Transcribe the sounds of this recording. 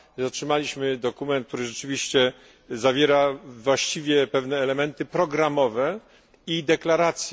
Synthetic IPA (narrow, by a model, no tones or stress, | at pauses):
ɔtʂɘmalʲiɕmɘd̪ɔkumɛnt̪̚k̚t̪uɾɘʐɛt͡ʂɘvʲiɕt͡ɕɛ | zavʲjɛɾavwaɕt͡ɕivʲjɛpɛvnɛːlɛmɛnt̪ɘpɾɔɡɾamɔvɛ | id̪ɛklaɾat̪sʲjɛ